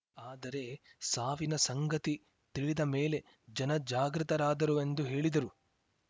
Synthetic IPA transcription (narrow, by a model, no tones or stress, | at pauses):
aːd̪ɐɾe̞saːʋinɐsɐŋɡɐt̪i | t̪iɭid̪ɐme̞ːle̞ | d͡ʒɐnɐd͡ʒaːɡɾɨt̪ɐɾaːd̪ɐɾue̞nd̪uɦe̞ːɭid̪ɐɾu